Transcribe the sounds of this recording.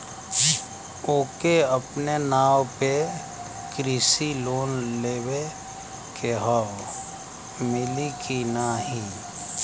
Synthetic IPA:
oːkeəpnenaːwpe | kɾɪsiloːnleːwe | kʰeɦɔ | mɪlikʰinaɦĩ

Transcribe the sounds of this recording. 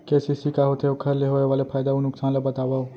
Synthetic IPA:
keːsisikaɦot̪ʰeʊkʰəɾleɦoːeʋaːlepʰaːjd̪aunʊksaːnlabɐt̪aːʋao

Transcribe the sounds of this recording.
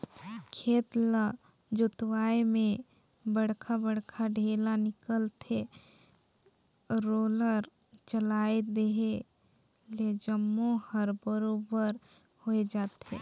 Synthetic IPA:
kʰeːt̪la | d͡ʒʊt̪waemẽ | bəɽkʰabəɽkʰaɖʱeːlanɪkəlt̪ʰe | ɾoːləɾ | t͡ʃəlaed̪eɦe | led͡ʒəmːohəɾbəɾobəɾ | hoed͡ʒaːt̪ɦe

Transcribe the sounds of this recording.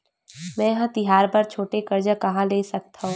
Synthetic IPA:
mɛ̃ːjɐɦãt̪ɪɦaːɾbɐɾt͡ʃʰoːʈekɐɾd͡ʒakɐɦãleːsɐk̚t̪aɦũː

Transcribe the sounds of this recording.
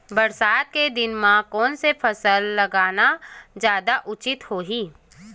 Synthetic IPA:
bɐɾsaːt̪̚ked̪ɪnmãkɔːnsepʰɐsəlːɐɡaːnad͡ʒjaːd̪aʔʊt͡ʃɪt̪hoːɦiː

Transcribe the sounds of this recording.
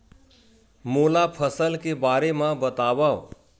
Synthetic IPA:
moːlapʰəsəlkebaːɾemãbət̪aːbao

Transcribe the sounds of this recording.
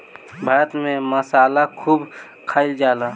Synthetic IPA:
bʱaːɾət̪mẽməsaːlakʰuːb | kʰaːɪld͡ʒaːlaː

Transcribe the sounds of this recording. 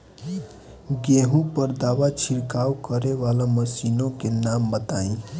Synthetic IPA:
ɡeɦũpəɾd̪aʋat͡ʃʰiɾkawkəɾeʋalaməsinõkenambət̪aĩ

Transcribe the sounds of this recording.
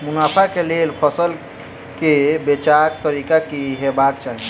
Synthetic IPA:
munapʰakelelpʰəsəl | kebet͡ʃak̚t̪əɾikakiɦebakt͡ʃaɦi

